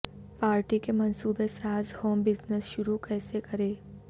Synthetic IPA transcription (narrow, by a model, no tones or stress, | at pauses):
paːɾʈikemɐnsuːbesaːzhoːmbɪznəsʃʊɾukɛːsekɐɾeː